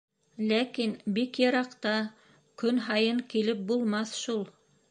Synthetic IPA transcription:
lækinbikjɤ̆ɾɑqt̪ɑ | kɵnɦɑjɤɴkilɘp̚bulˠmɑθʃulˠ

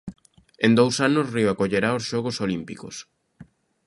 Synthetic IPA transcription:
ẽnd̪owsanʊsriwakoʎeɾaosʃɔɣ̞osolimpikos

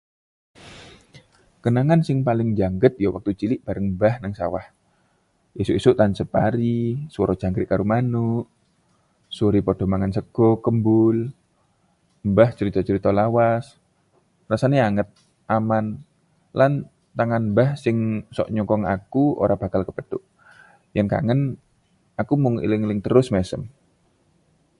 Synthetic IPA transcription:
kənaŋansɪŋpalɪŋd͡ʒaŋɡət̪̚jɔwak̚t̪ut͡ʃilɪʔb̥a̤ɾəŋmbahnaŋsa̰wa̰h | isuʔisʊʔt̪ansəpaɾiswɔɾɔ̥d͡ʒ̥a̤ŋɡɾɪʔkaɾumanuʔ | suɾipod̥ɔ̤maŋansəɡ̥ɔkəmbʊl | mbaht͡ʃəɾit̪ɔt͡ʃəɾit̪ɔlawas | rasaneaŋət̪̚ | ʔaman | lan | t̪aŋanmbahsɪŋsɔ̰ʔɲɔkɔŋa̰kuo̰ɾab̥a̤kalkəpəd̪ʊʔ | janka̰ŋən | akumuŋḭlɪŋlɪŋt̪əɾʊsmɛsəm

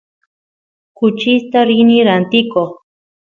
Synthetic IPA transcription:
kʊt͡ʃɪst̪aɾɪniɾant̪ɪkoχ

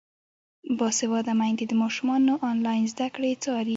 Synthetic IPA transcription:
bɑsewɑd̪amajnd̪ed̪əmɑʃumɑnoʔɑnlɑjnzd̪akɽet͡sɑɾi

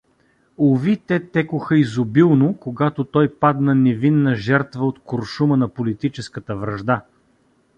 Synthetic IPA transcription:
ovit̪ɛt̪ɛkʊxəizʊbilˠnokoɡat̪ot̪ɔjpad̪nɐnɛvinːəʒɛɾt̪vəot̪koɾʃumənɐpolit̪it͡ʃɛskət̪əvɾɐʒd̪a

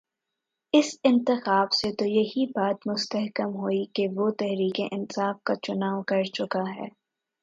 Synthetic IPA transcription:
ɪsɪ̃nt̪ɪxaːbset̪ojɐɦibaːt̪mʊst̪ɐɦkəmɦoːikeʋot̪ɛɦɾiːkeʔɪnsaːfkat͡ʃʊnaːʋkɐɾt͡ʃʊkaɦɛ̰ː

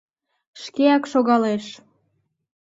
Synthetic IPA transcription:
ʃkeɑkʃoɣɑleʃ

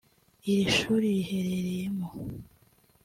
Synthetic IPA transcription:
iɾiʃuːɾiɾihe̞ɾeɾejemo

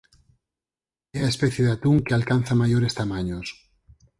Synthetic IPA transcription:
eaespeθjeðat̪uŋkealkan̟θamaʝoɾest̪amaɲos

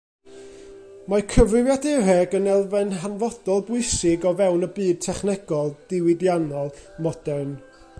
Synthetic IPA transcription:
makʰəvɨjadɛrɛɡənɛlˠvɛnɦanvɔd̥ɔlˠbʊɨsɪɡɔvɛwnəbɨːd̥̚tʰɛχnɛɡ̥ɔlˠd̥ɪwɪdjanɔlˠmɔd̥ɛn

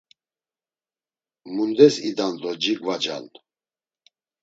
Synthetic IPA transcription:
mund̪ɛsid̪and̪ɔd͡ʒiɡvad͡ʒa̰n

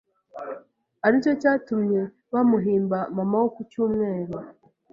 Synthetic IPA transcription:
aɾico̞caːtumɲe | βamuɦiːmbamamawokucuːmŋe̞ːɾo

